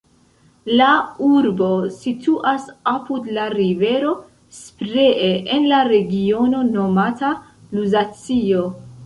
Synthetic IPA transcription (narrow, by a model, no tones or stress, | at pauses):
lauɾbo̞sitʰuʔasapudlaɾive̞ɾo̞ | spɾeʔeʔenlaɾe̞ɡio̞no̞no̞mata | luzat͡sio̞